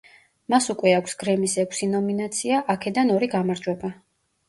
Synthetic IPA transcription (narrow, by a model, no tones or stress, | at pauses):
masukʼwɛakʰʷsɡ̥ɾɛmisɛkʷʰsinɔminat̪sʰiaʔakʰɛd̪anɔɾiɡamaɾd͡ʒwɛba